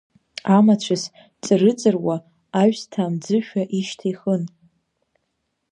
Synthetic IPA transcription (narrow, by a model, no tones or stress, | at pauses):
amat͡ɕʷʰas | t͡sʼɨrɨt͡sʼɨrwa | aɥstʰaːmd͡zɨʃᶣaʔiʃtʰiχən